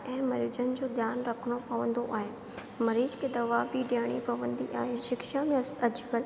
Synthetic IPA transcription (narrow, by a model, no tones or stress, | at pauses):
ɛ̃ːmɐɾiːd͡ʑənɪ̆d͡ʑoːd̪jaːnɾɐkʰəɽ̃opɐʋə̃nd̪oʔaːɦeː | mɐɾiːd͡ʑked̪ɐʋabiɖjaːɽ̃ipɐʋə̃nd̪iʔaːɦeʃɪkʃamẽɐd͡ʑɡəl